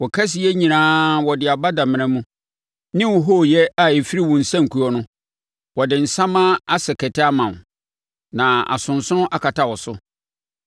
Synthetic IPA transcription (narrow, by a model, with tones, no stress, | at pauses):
wɔ˨kʰa˦s̬ɪ˨jɛ˦ɲĩ˨nãː˦wɔ˨dɪ˨a˨ba˦dã˨mɪ̃˨nã˦mũ˦ | nɪ̃˦wɔ˨ɦo˦˨jɛ˦a˨e˨fi˦ɾi˦wɔ̃˨n̩˨sã˦ŋ̩˨kʰu˨ɔ˦nʊ̃˦ | wɔ˨dɪ˨n̩˨sã˦mã˦a˦sɛ˨kʰɛ˨tʰɪ˦a˦mã˨n˨ | nã˨a̰˨sʊ̃˨n̩˨sʊ̃˦ʔa˨kʰa˨tʰa˨wɔ˨sʊ˦